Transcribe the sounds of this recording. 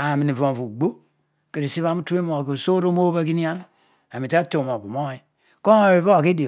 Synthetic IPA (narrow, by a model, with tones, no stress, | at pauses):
a˨mi˨ni˨vo˨vu˨ɡ͡bo˦ | ke˨ɾi˨si˦βa˦mu˦tu˦e˦mo˨ki˨so˦ɾo˦mo˦ba˦ki˦ni˦a˦n˦ | a˨mi˨ta˦to˨mo˨bu˨mo˦i˦ | ko˦o˨be˨βa˦a˨ke˦di˨